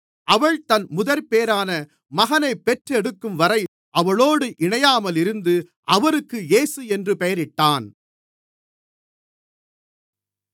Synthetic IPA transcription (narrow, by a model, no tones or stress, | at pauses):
ʔɐʋɐɭt̪ɐnmʊðɐɾpeːɾaːnɐ | mɐɣɐnɐɪpːɛʈrɛɽɯkːɯmʋɐɾɐɪ | ʔɐʋɐɭoːɽɯʔɪɳɐjaːmɐlɪɾɯnd̪ɯ | ʔɐʋɐɾɯkːɯjeːsɯɛndrɯpɛjɐɾɪʈːaːn